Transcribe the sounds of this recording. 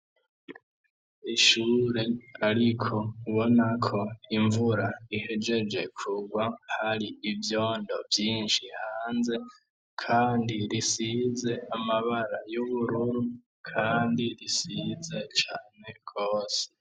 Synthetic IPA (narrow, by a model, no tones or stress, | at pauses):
iʃuːɾe̞aɾikʰo̞uβo̞nakʰo̞iɱvuɾaihe̞d͡ʒe̞d͡ʒe̞kʰuɡwahaɾiivjo̞ːndo̞vjiːnʃihaːnze̞ | kʰaːndiɾisize̞amaβaɾajuβuɾuɾu | kʰaːndiɾisize̞t͡ʃaːne̞ɡ̥o̞ːse̥